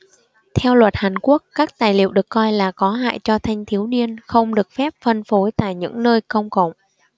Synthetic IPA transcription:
t̪ʰɛ˧wlwə˨˩t̚haː˨˩nku˦˥əkːaː˦˥k̚t̪aː˨˩jlḭ˧˨wɗɨ˨˩ə˩kːɔ˧jlaː˨˩kɔ˨˦ɦa̰ː˧˨jt͡ɕɔ˧t̪ʰa˧jŋ̟t̪ʰi˨˦əwni˧ənxə˧wŋ͡mɗɨ˨˩ək̚fɛ˦˥p̚fə˧nfo˨˦jt̪a̰ː˧˨jɲɨ̰˧˥ŋnəː˧jkə˧wŋ͡mkə̰˧˨wŋ͡m

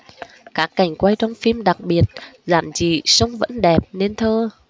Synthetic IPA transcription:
kaː˦˥kːa˨˩jŋ̟kwa˧jt͡ɕɔ˧wŋ͡mfi˧mɗa˨˩k̚ɓi˨˩ət̚za̰ː˧˨mt͡ɕḭ˧˨sə˧wŋ͡mvə̰˧˥nɗɛ˨˩p̚ne˧nt̪ʰəː˧

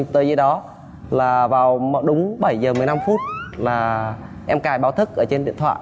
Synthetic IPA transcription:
t̪əː˨˦jzə˨˦ɗɔ˨˦ | laː˨˩vaː˨˩wmo̰˧˨˩ɗʊ˨˦ŋ͡mɓə˧˩jzəː˨˩mɨ˨˩əjna˧mfu˦˥t̚laː˨˩ | ʔɛ˧mkaː˧˩jɓaː˨˦wt̪ʰɨ˦˥k̚ʔəː˧˩t͡ɕe˧nɗḭ˧ənt̪ʰwa̰ː˧˨

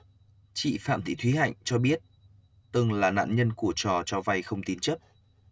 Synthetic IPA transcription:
t͡ɕḭ˧˨fa̰ː˧˨mt̪ʰḭ˧˨˩t̪ʰwi˨˦ha̰˧˨jŋ̟t͡ɕɔ˧ɓi˦˥ət̚ | t̪ɨ˧ŋlaː˨˩na̰ː˧˨nɲə˧nku˧˩ət͡ɕɔ˨˩t͡ɕɔ˧va˧jxə˧wŋ͡mt̪i˨˦nt͡ɕə˦˥p̚

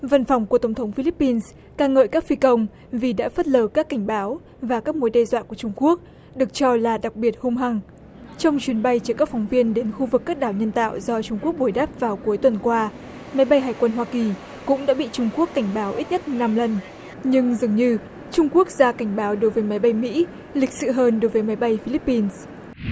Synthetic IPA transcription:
va˧nfɔ˨˩wŋ͡mku˧˩ət̪ə˨˩ŋ͡mt̪ʰə˨˦ŋ͡mfi˧li˦˥pːi˧ns | kaː˧ŋə̰ː˧˨jkaː˦˥k̚fi˧kə˧wŋ͡m | vi˨˩ɗa̰ː˧˥fə˦˥t̚ləː˧˩kaː˦˥kːa˧˩jŋ̟ɓaː˨˦w | vaː˨˩kaː˦˥k̚mo˨˦jɗɛ˧zwa̰ː˧˨ku˧˩ət͡ɕʊ˧ŋ͡mku˦˥ək̚ | ɗɨ˨˩ək̚t͡ɕɔ˧laː˨˩ɗa˨˩k̚ɓi˨˩ət̚hʊ˧ŋ͡mɦa˨˩ŋ | t͡ɕɔ˧wŋ͡mt͡ɕwi˨˦ənɓa˧jt͡ɕəː˧˩kaː˦˥k̚fɔ˨˦wŋ͡mvi˧ənɗe˨˦nxu˧vɨ˨˩kːaː˦˥k̚ɗaː˧˩wɲə˧nt̪a̰ː˧˨wzɔ˧t͡ɕʊ˧ŋ͡mku˦˥ək̚ɓo˧˩jɗaː˦˥p̚vaː˨˩wku˨˦əjt̪wə˨˩nkwaː˧ | ma˨˦jɓa˧jɦaː˨˩jkwə˧nɦwaː˧ki˨˩ | kʊ̰˧˥ŋ͡mɗa̰ː˧˥ɓḭ˧˨t͡ɕʊ˧ŋ͡mku˦˥əkːa˧˩jŋ̟ɓaː˨˦wʔi˦˥t̚ɲə˦˥t̚na˧mlə˨˩n | ɲɨ˧ŋzɨ˨˩əŋɲɨ˧ | t͡ɕʊ˧ŋ͡mku˦˥ək̚zaː˧ka˧˩jŋ̟ɓaː˨˦wɗo˨˦jvəː˨˦jma˨˦jɓa˧jmḭ˧˥ | lï˨˩k̟̚sɨ̰˧˨ɦəː˧nɗo˨˦jvəː˨˦jma˨˦jɓa˧jfi˧li˦˥pːi˧ns

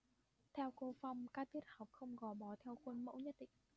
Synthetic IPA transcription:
t̪ʰɛ˧wko˧fa˧wŋ͡mkaː˦˥k̚t̪ʰi˦˥ət̚ha˨˩wk͡p̚xə˧wŋ͡mɣɔ˨˦ɓɔ˨˦t̪ʰɛ˧wkwə˧nmə̰˧˥wɲə˦˥t̚ɗḭ˧˨ŋ

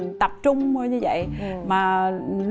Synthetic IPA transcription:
nt̪ə˨˩p̚t͡ɕʊ˧ŋ͡mo˧jɲɨ˧və̰˧˨jmaː˨˩l

